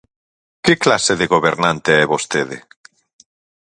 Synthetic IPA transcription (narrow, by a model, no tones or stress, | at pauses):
kɪklaseðeɣoβeɾnãnt̪eɛβost̪eðḛ